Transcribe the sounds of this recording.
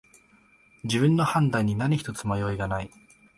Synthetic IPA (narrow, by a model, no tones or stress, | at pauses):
d͡ʑiβɯ̟̃nːo̞hãnd̪aiɲ̟ːinaɲʲiçi̥t̪o̞t͡sɨmajo̞ːiɡanai